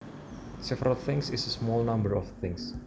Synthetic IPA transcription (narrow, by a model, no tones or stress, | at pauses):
sɛvəɾəlθɪ̃ŋsɪsəsmɔlnãmbəɹɔfθɪ̃ŋs